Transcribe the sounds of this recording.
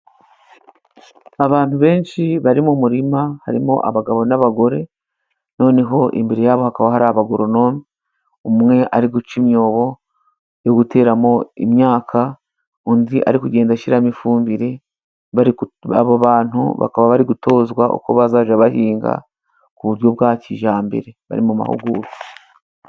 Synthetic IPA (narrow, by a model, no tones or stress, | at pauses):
aβaːn̥uβe̞ːnʃiβaɾimumuɾimaha̰ɾimo̞̰ʔa̰βaɡaβo̞naβaɡo̞ɾe̞ | no̞ːne̞ɦo̞ʔḭmbeɾejaːβo̞hakaβaɦaɾaβaɡoɾo̞no̞mi | umumŋe̞ʔaɾiɡut͡ʃimjo̞ːβo̞ | joɡute̞ːɾamo̞ḭmɲaːkʰa | undiʔa̰ɾikuɟe̞ːndaʃiɾamifuːmbiɾe̞ | βaɾia̰βaβaːn̥ṵβa̰kaβaβaɾiɡuto̞ːzɡwaʔo̰ko̞βazaːʒaβahiːŋɡa̰ | kuβuɾjo̞βɡaːciʒaːmbḛɾe̞βa̰ɾimuma̰hṵɡuːɾi